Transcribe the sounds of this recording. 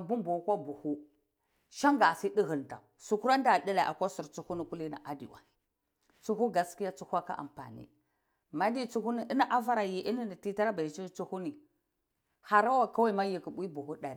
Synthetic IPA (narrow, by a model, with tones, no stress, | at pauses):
a˨bu˦mbu˨˦kʷa˦bu˨hu˦ | ʃa˦ŋɡa˨si˦ɗi˦ɦə˨n˨ta̰˨su˨ku˦ɾa˦n˦da˨di˦la˨ʔa̰˨kʷa˦su˨ɾt͡su˦hu˦ni˨ku˦li˦na̰˨ʔa˨dḭ˨wa̰˨ | t͡su˦hu˦ɡa˦ski˦ja˦t͡su˦hʷa˦ka̰˦ʔa̰˨mpa̰˨nḭ˦ | ma˦di˦t͡su˦hu˦ni˦ʔi˦na˦ʔa˦va˦ɾa˨ji˨ʔi˦ni˦ni˨ti˦ta˦ɾa˦ba˨i˨t͡ʃi˦t͡su˦hu˦ni˨ | ha˨ɾa˦wa˨ka˦wa˦i˨ma˦ji˨ki˨ɓʷi˦bu˨hu˦ɗa˨ɾi˨